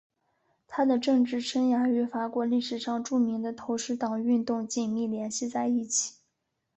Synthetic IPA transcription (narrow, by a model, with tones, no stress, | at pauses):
t̪ʰa˥d̪ə˨ʈ͡ʂɤ˥˧ŋʈ͡ʂɻ̩˥˩ʈ͡ʂʰə˥nja˧˥y˧˥fa˧˥kwɔ˧˥li˥˩ʂɻ̩˨˩ʂɑ˥˧ŋʈ͡ʂu˥˩mi˧˥ŋd̪ə˧t̪ʰo˧˥ʊʂɻ̩˧˥t̪ɑ˨˩ŋy˥˧nt̪ʊ˥˧ŋt͡ɕi˥˩nmi˥˩ljɛ˧˥nɕi˥˧t͡sa˥˧ɪi˥˩t͡ɕʰi̥˨˩˦